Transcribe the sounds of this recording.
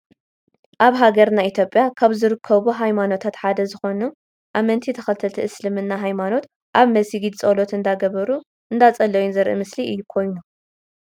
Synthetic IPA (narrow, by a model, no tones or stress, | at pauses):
ʔaβɦaɡɐɾnait̪ʰjopʼːjakʰaβzɨɾɨkʰːɐβuɦajmano̞t̪ʰat̪ħad̪ɐzɨxo̞nu | ʔamɐnt̪ʰit̪ʰɐxɐlt̪ʰɐlt̪ʰiʔɨslɨmɨnːaɦajmano̞t̪ | ʔaβmɐsiɡid̪t͡sʼolo̞t̪ɨnd̪aɡɐβɐɾu | ʔɨnd̪at͡sʼɐlːɐjunzɐɾʔɨ̰mɨsliɨjːukʰo̞jnu